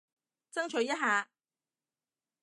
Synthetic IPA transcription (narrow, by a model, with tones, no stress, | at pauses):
t͡sɐ˥ŋt͡ʃʰɵ˨˧˥jɐ˥t̚ɦaː˨˧